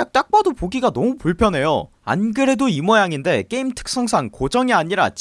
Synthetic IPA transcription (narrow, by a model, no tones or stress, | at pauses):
ak̚t͈ak̚p͈adopoɡiɡanʌmupuɭpʰjʌnɦe̞jo̰ | a̰nɡɯɾe̞doimʌjaŋinde̞k͈e̞imtʰɯ̥k̚s͈ʌŋsʰaŋkod͡ʑʌŋiaɲiɾa̰t͡ɕ